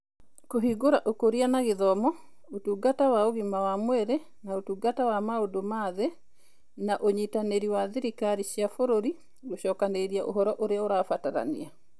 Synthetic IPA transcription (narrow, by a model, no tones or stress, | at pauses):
koɦiɡoɾaʔokoɾianaɣeðɔmɔ | otuɡatawaoɣimawamwɛɾɛ | naotuɡatawamaodomaðɛ | naʔoɲitaneɾiwaðeɾikaɾiɕiafoɾoɾi | oʃɔkaneɾiaʔo̰ɦɔɾɔʔoɾeaoɾafataɾa̰nḭa